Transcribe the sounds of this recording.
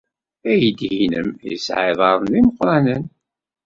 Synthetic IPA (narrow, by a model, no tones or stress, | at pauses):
æjəd̪hinə̰mjə̰sʕɪðˤɑɾˤənðiməqːɾˤɑnən